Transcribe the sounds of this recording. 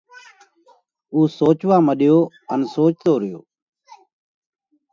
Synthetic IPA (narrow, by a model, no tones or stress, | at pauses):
uːsoːt͡ʃʋaːməɗɪjoː | ənsoːt͡ʃt̪oːɾɪjo̰ː